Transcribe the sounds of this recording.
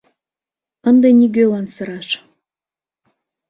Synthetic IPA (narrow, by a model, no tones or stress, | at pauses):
ənd̪enʲiɡølɑnsɤ̆ɾɑʃ